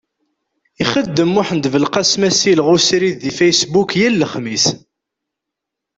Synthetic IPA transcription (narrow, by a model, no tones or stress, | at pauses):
iχəd̪ːəmuħənd̪vəlqɑsmæsilʁʊsɾiððifæjsbukjælːəχmis